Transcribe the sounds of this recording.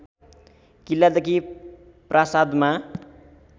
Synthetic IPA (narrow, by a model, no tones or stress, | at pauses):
kilːad̪ʌki | prʔasad̪ma